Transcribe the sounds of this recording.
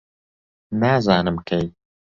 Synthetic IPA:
naːzaːnɨmkʰɛj

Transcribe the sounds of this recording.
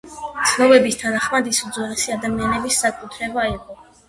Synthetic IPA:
d̪sʰnɔbɛbist̪ʰanaχmad̪isud̪zwɛɾɛsiad̪amianɛbisːakʼut̪ʰɾɛbaiqʼɔ

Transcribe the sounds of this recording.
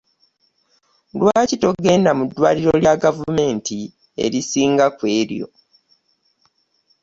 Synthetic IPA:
lwaːcito̞ɡe̞ːndamudːwa̰ːliɾoljaɡavume̞ːnti | e̞̰ɾisiːŋɡakwe̞ːɾjo̞̰

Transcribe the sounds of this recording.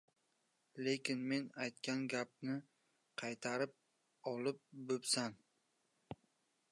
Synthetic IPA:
le̞kʲɪnme̞najt̪̚kʲanɡʲap̚nɪ | qʰɑjt̪ʰaɾɪp̚ | ɒlɪp̚bɵpsan

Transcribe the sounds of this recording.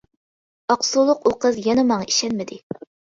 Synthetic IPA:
ɑqsulˠʊqoqəzjɛnɛmɑɴɑi̥ʃɛnmɪd̪ɪ

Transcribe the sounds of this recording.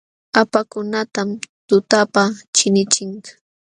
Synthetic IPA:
apakʊnat̪amt̪ʊt̪apat͡ʃɪnɪt͡ʃɪŋ

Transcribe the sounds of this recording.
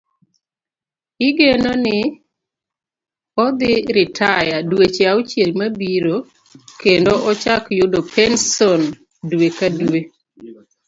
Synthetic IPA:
ɪɡenonɪ | ɔd̪ɪɾɪtʰajadwet͡ʃaut͡ʃjelmabiɾo | kendoʔɔt͡ʃakjʊdopʰɛnsɔn | dwekadwe

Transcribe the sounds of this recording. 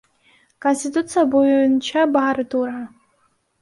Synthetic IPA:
kʰonsʲtitʼut͡sʰijabojnt͡ʃʰabaaɾɨdurʕa

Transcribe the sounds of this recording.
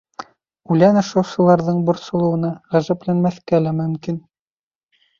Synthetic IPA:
ʉlænɤ̆ʃŏwsɤ̆lˠɑɾðɤɴbŏɾsŏlˠɤ̆wɤ̆nɑʁæʒæplænmæθkælæmɵ̆mkin

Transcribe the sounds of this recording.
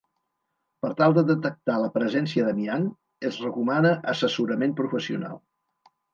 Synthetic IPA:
pəɾt̪alˠd̪əðət̪ək̚t̪aləpɾəzɛnsiəðəmian | əzrəkumanəʔəsəsuɾəmempɾufəsiuna̰lˠ

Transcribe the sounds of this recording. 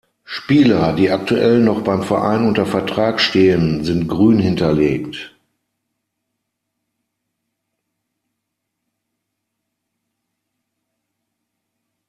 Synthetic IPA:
ʃpiːlɐdiːak̚tuʔɛlnɔχb̥aɪmfɛɐʔa̰ɪnʊntɐfɛɐtʁ̥aːkʃteːənzɪntɡ̥ʁyːnhɪntɐleːkt

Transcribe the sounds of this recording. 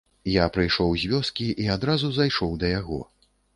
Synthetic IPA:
japɾɨjʂɔwzʲvʲɔskʲiʔiad̪ɾazuzajʂɔwd̪ɐjaɣɔ̰

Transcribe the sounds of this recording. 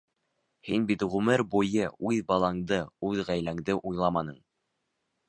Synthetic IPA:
hinbit̪ʁʉmɘɾbujɤʉðbɑlˠɑɴd̪ɤʉðʁæjlæŋd̪ɘʔujlˠɑmɑnɤɴ

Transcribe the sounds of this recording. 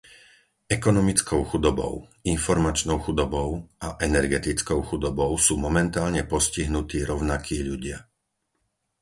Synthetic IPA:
ɛkɔnɔmit͡skʰɔʊxud̪ɔbɔ̰ʊinfɔɾmat͡ʃnɔʊxud̪ɔbɔʊaʔɛnɛɾɡɛt̪it͡skɔʊxud̪ɔbɔʊsuːmɔmɛnt̪aːlɲɛpɔsciɦnut̪iːɾɔʊnakʰiːʎuɟɪa

